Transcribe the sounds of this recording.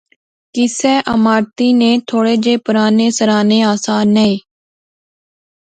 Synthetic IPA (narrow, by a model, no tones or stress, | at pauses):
kɪseːʔəmaːɾt̪iːneːt̪ʰoːɽeːd͡ʒeːpʊɾaːneːsəɾaːneːaːsaːnːeeː